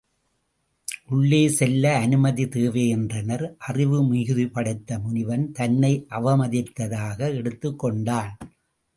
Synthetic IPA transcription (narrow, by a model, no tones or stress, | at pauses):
ʔʊɭːeːsɛlːɐːnɯmɐðit̪eːʋeːɛndrɐnɐɾʔɐrɪʋɯmʊɣɯðɯpɐɽɐɪt̪ːɐmʊnɪʋɐnt̪ɐnːɐɪʔɐʋɐmɐðɪt̪ːɐðaːɣɐɛɽɯt̪ːɯkːɔɳɖaːl